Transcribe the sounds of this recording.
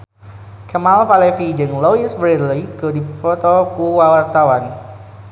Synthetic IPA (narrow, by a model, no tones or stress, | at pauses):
kəmalfalefid͡ʒɨŋloisbɾilikodifot̪ɔkuwawart̪awan